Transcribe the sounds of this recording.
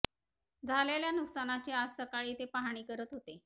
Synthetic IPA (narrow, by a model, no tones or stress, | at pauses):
d͡zʱaleljanuksanat͡ɕead͡zsəkaɭiːt̪epaɦaɽ̃iːkəɾət̪ɦot̪e